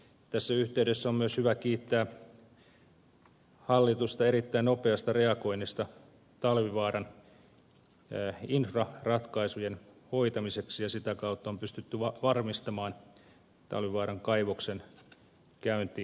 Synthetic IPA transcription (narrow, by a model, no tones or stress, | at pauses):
t̪æsːæyht̪eydesːæommyøshyʋækiːt̪ːæː | hɑlːit̪ust̪ɑeɾit̪ːæinnopeɑst̪ɑreɑko̞inist̪ɑ | t̪ɑlʋiʋɑːrɑn | infrɑrɑt̪kɑisujen | hoit̪ɑmiseksijɑsit̪ækɑut̪ːɑompyst̪yt̪ːyʋɑʋɑrmist̪ɑmɑːn | t̪ɑ̰lʋiʋɑːɾɑŋkɑiʋoksen | kæynt̪iː